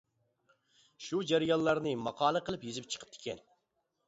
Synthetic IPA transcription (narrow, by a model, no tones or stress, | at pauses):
ʃud͡ʒæɾijɑnˠːɑɾnɨmɑqʰɑːlˠəqʰəlˠɨpjezɪp̚t͡ʃʰə̥qʰə̥p̚t̪ʰɪ̥kʲʰɛ̰n